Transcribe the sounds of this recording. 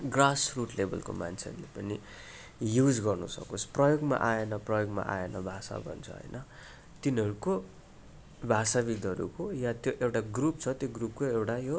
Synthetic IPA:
ɡrasruʈlebʱʌ̰lko̰mant͡sʰḛrlepʌni | jud͡zɡʌrnusʌ̰kot͡sʰprʌjoɡma̰ʔaenʌprʌjoɡma̰ʔa̰enʌbʱasa̰bʱʌ̰nt͡sʰʌ̰ɦʌ̰jnʔʌ | t̪inɦʌɾuko | bʱasaβid̪ʱʌɾṵkojat̪joʔewʈaɡrupt͡sʰʌt̪joɡrup̚koewʈajo

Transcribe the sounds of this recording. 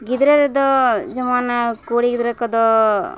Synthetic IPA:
ɡid̪ɾeɾed̪ɔd͡ʒɐmaːnɐkoːɽiɡid̪ɾekɐd̪ɔ

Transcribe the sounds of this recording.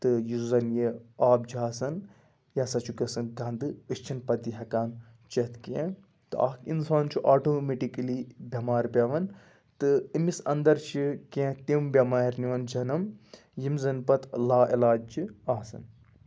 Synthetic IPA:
t̪ɨjizɐnjeaːbd͡ʒiaːsɐn | jasɐt͡ʃʰuɡɐsɐnɡɐnd̪ɨɨst͡ʃʰinpɐt̪iɦɐkaːn | t͡ʃɐt̪kẽ | t̪ɨa̰ːkinsaːnt͡ʃʰiʔaːʈoːmeʈiklibʱʲɐmaːɾpʲɐʋɐn | t̪ɨimisɐnd̪ɐɾt͡ʃʰikẽt̪imbʲɐmaːɾniʋɐnd͡ʒɐnɐm | jimzɐnpɐt̪laːʔilaːd͡ʒiaːsɐ̰n

